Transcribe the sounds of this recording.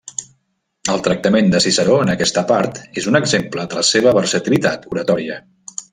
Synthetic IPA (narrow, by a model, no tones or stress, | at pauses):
əlˠt̪ɾək̚t̪əmend̪əsisəɾoənəkɛst̪əpaɾt̪ezunəɡzempləðələseβ̞əβəɾsət̪ilit̪at̪uɾət̪ɔɾiə